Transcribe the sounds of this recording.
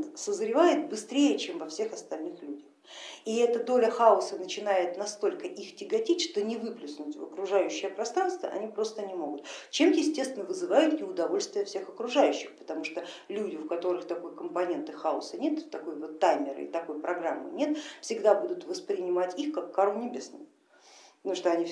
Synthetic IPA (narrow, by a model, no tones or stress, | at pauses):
səzɾʲɪvajɪt̪̚bɨst̪ɾʲejət͡ɕemvɐfsʲe̞xɐst̪ɐlʲnɨxlʲudʲəx | iɛt̪əd̪olʲəxaʊsənət͡ɕɪn̪ajɪt̪nɐst̪o̞lʲkəʔixtʲɪɡɐtʲitʲʂt̪onʲɪvɨplʲʊsnʊtʲvə̰kɾʊʐajʉɕːɪjəpɾɐst̪ɾanst̪və̰ʔɐ̰nʲipɾo̞st̪ənʲɪmo̞ɡʊt̪t͡ɕe̞mjjɪsʲtʲe̞st̪vʲɪnːəvɨzɨvajʊt̪nʲɪʊd̪ɐvo̞lʲst̪vʲɪjəfsʲe̞xɐkɾʊʐajʉɕːɪxpə̥t̪ɐmuʂt̪olʲudʲɪʊkɐt̪o̞ɾɨxt̪ɐko̞jkəmpɐnʲe̞nt̪ɨxaʊ̰sənʲe̞t̪ːɐko̞jvot̪ːajmʲɪɾɨ̰ɪ̰t̪ɐko̞jpɾɐɡɾamːɨ̰nʲe̞t̪fsʲɪɡd̪abud̪ʊt̪vəspɾʲɪnʲɪmatʲixkakʰːaɾlˠnʲɪbʲe̞snɨ̰j̪ | uʂt̪oɐnʲi